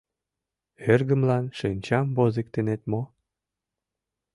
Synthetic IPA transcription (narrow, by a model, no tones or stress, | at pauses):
erɣə̆mlɑnʃenʲt͡ɕɑmbozek̚t̪enet̪mo